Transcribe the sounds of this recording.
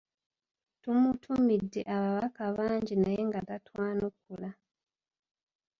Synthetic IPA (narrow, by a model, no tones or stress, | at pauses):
tumutʰumidːe̞̰ʔaβaβakaβaːɲɟinaje̞ŋɡatatwaːnuk̚ːula